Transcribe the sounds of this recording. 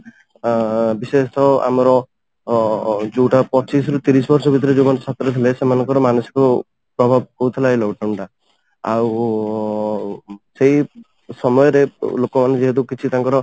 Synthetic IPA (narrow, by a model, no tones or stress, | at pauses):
bisest̪ʰɔa̰mɔɾɔ | d͡ʒuwʈapɔt͡ʃisɾut̪iɾisɔbɔɾsɔbʱit̪̬ɔɾed͡ʒomanesat̪ɾɔt̪ʰilesemanɔŋkɔɾɔmanɔsi̥kɔ | pɾɔbʱab̚kout̪ʰilajlɔɡʈawɳʈa | a̰w | seɦi | sɔmɔjɔɾelokɔmaned͡ʒeɦet̪̬ukit͡ʃʰit̪aŋkɔɾɔ